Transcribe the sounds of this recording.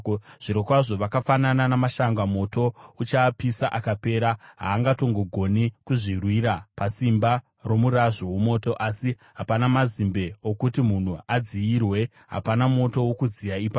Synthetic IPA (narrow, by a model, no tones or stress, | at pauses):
ʐ̥iɾokwaʐo̞ʋakafanananamaʃaŋɡamo̞to̞ut͡ʃaːpisaʔakape̞ːɾaɦa̰ːŋɡato̞ŋɡo̞ɡʱo̞nikuʐirwiːɾapasimba | ro̞muɾaʐowomo̞ːto̞ʔasi | ɦapanamazimbe̞okutimun̤uad͡ziirwe̞ | ɦa̰panamo̞to̞wokud͡zijaipa